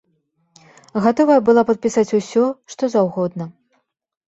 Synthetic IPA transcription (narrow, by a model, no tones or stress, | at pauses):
ɣat̪ɔvɐjɛbɨlˠapɐt̪̚pʲisat͡sʲusʲɔʂt̪ɔzawɣɔd̪nɐ